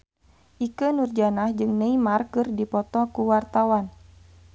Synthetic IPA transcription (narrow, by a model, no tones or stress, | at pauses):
ʔikənurd͡ʒanahd͡ʒɨŋnəimarkɨrdipɔt̪ɔkuwart̪awan